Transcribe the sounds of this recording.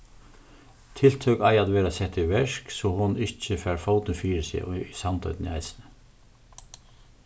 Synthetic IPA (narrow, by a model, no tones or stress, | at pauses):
t̪ʰɪlt̪ʰœkajaðʋɛːɾasɛt̪ɪʋɛʂksɔhʊnɪht͡ʃəfɛɾfowt̪ɪfiːɪɾsɪ̰sant̪ʰœ̰ʏt̪nɪ̰a̰ɪjsɪ̥nə